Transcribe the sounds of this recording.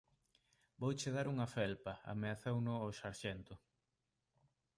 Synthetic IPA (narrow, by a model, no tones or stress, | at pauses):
bowt͡ʃeðaɾuŋɐfɛlpɐa̰meaθewnʊoʃaɾʃɛnt̪ʊ